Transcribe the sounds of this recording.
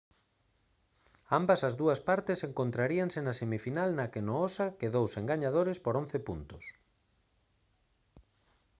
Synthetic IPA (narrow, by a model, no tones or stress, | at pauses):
ambɐsɐzðuɐspaɾt̪ɪseŋkont̪ɾaɾiaŋsenɐsemifinalnɐkenoosakeðowseŋɡaɲaðoɾɪspoɾõnθepunt̪ʊs